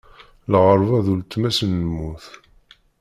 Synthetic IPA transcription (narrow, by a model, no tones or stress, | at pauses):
lʁəɾˤvæðult̪ːmæsənəmːuθ